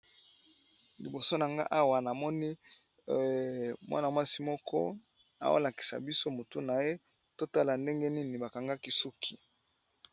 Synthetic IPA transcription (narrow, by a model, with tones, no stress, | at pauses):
li˨bo˨so˦na˨ŋɡa̰˦ʔa˦wa˨na˨mɔ˦ni˦ | mwʔa̰˦na˨mwa˦si˦mɔ˦kʰɔ̰˦ | a̰˨wo̰˦la˨ki̥˨sa̰˨bi˦so˦mo˨tu˦na˨je˦ | to˦ta˦la˨nde˦ŋɡe˦ni˦ni˨ba˨ka˨ŋɡa˦ki˦su˦kʰi˨